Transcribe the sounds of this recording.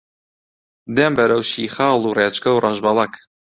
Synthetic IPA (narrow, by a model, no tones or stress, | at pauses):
d̪embɐɾɐwʃiːxɑːlˠureːt͡ʃkɐwrʔɑʒbɑlˠɐk